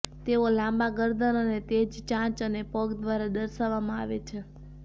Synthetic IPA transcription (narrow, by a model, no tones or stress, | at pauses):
t̪eolãmbaɡəɾd̪ənənet̪ed͡ʒt͡ʃãt͡ʃənepɔɡd̪ʋaɾad̪əɾʃaʋamãa̰ʋet͡ʃʰe